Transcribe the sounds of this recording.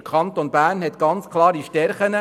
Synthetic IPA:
kʰɑnt̪onbæːɾnhɛt̪ɡ̥ɑnt͡skʰlˠɑːɾiʃtɛɾχənə

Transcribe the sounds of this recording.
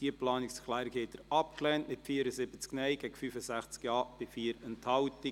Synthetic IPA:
d̥iəplɑːnɪksklæɪɾkheːt̪əɾɑp̚klɛːntmɪtfiːəɾəsɪbət͡sknɛɪɡ̥ɛɡfyfəsæχt͡skjɑːb̥ɪfiːəɾənthɑʊti

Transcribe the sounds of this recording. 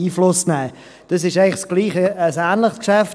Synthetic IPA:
iːflʊsnɛː | d̥ɑsɪʃæɪŋlɪχsɡ̥liːχəəsæːnləχskʃæf

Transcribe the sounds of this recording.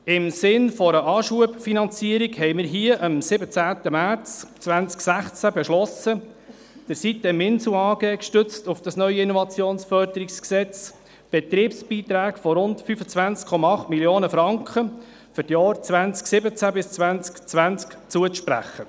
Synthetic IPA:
ɪmsɪnfɔɾəʔɑːʃuəpfinɑnt͡siəɾikhɛɪmɪːɾɦiəʔəmsɪbət͡sæːt̪əmæɾt͡st͡sʋænt͡sksæχt͡sæbɛʃlɔsə | d̥əɾsit̪əmɪnsuɑːɡɛːkʃtʏt͡stʊfd̥ɑsnœʏəɪnɔvɑt͡sjoːnsfœɾdəɾiksksɛt͡s | b̥ɛt̪ɾiːpsb̥iːt̪ɾæːkfɔɾʊntfyfət͡sʋænt͡skʰɔmɑɑχtmiljoːnəfɾɑŋkʰχə | fʏɾtjɑːɾt͡sʋænt͡sksɪbət͡sæbɪst͡sʋænt͡skt͡sʋænt͡skt͡suəʃpɾæ̰χːə

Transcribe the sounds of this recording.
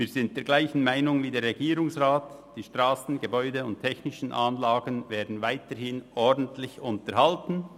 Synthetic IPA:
viːɾzɪntd̥eːɡlaɪçn̩maɪnʊŋviːdeːɾːɛɡiːɾʊŋsʁaːtd̥iːʃtʁaːsn̩ɡəbɔʏdəʊnttʰɛçnɪʃn̩ʔaːnlaːɡənvɛːɐdn̩vaɪtəɾhɪnʔɔɾdn̩tʰlɪçʊntəɾhaltn̩

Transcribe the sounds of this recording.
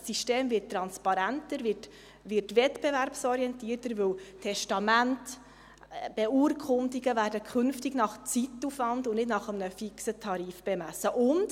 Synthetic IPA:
siʃteːmvɪttːɾɑnspɑɾæntəɾvɪt | ʋɪɾtʋɛtb̥ɛvæɾpsɔɾiɛntiəɾtəɾʋɵwtʰɛʃtɑmænt | b̥ɛuɾkʰʊndiɡəvæːɾdəkʰʏnftɪɡnɑχt͡sitːufvɑntʊnnɪdnɑχəmnəfiksətʰɑɾiːfb̥ɛmæsəʔʊnd̥

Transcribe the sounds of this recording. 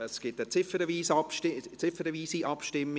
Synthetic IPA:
əsɡ̥ɪtət͡sɪfəɾəviːsɑpʃtɪt͡sɪfəɾəviːsiʔɑpʃtɪmː

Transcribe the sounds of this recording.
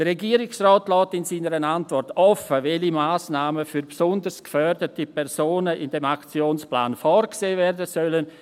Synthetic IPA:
d̥ərɛɡiːəɾɪksrɔːtlɔːtɪnsiːnəɾənantvɔrtɔfəvɛlimaːsnaːməfyɾbsɔndəɾskfœrdətipʰɛɾsoːnəɪndɛmakt͡sjoːnspla̰ːnfɔːɾkseːvɛɾdəsœlən

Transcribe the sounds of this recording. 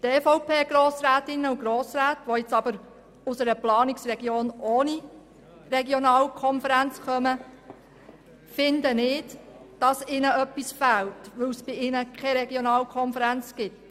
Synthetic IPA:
teːfɔʊpeːɡ̥ɾoːsɾæːtɪnːəuɡɾoːsɾæːtʋoɪt͡sɑb̥əɾ | ʊsəɾəplɑːnɪksrɛɡjoːnʔoːni | ɾɛɡjonɑːlkʰɔnfəɾænt͡skœmə | fɪndənɪːdd̥ɑsɪnəœpːisfæltʋɵwsb̥ɪɪnəkʰɛɾɛɡjonɑːlkʰɔnfəɾænt͡sɡ̥ɪt

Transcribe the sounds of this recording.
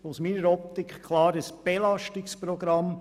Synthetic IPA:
osmiːɾəɾɔp̚t̪ɪkχkʰlɑːɾəsb̥elɑʃtɪkspɾoɡ̥ɾɑm

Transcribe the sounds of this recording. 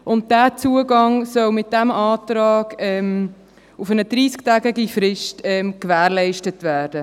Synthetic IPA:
ʔʊnt̚d̥æːt͡suəɡɑŋsœwmɪt̚dæmɑːtɾɑːɡ̥ɛm | ufənəd̥ɾiːsktæːɡɛɡifɾɪʃtɛmkʋæːɾlɛɪʃtətʋæːɾd̥ə

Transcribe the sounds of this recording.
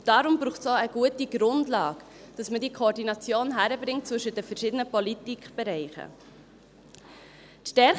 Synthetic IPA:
d̥ɑɾʊmbɾuːχtsoəɡ̥uətiɡ̥ɾʊndlɑːɡd̥ɑsmədikʰoːɾdinɑt͡sjoːnɦæɾəbɾɪŋt̚t͡svɵʃədəfəɾʃɪdənəpɔlitikχb̥ɛɾɛɪχə̰ | t̪ʃtɛɾ

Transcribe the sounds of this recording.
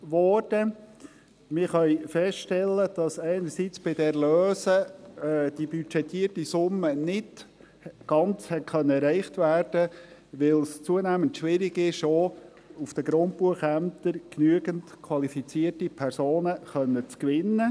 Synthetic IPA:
ʋɔɾd̥ə | mɪɾχœʏfɛstʃtɛlːəd̥ɑsæɪnəɾsit͡sb̥ɪdɛɾløːsə | d̥ibyt͡ʃɛtʰiərtisʊmːənɪt | ɡ̥ɑnt͡shɛt̚kʰχœnːəɛɾæɪχtʋæːrd̥əʋɪlst͡suənæːməntʃʋɪɾɪɡɪʃoː | ufd̥əɡɾʊnt̚buəχæmt̪əɾknyəɡəntkʰwɑlifit͡siərtipʰɛɾsoːnəχœnːət͡skʋɪnːə

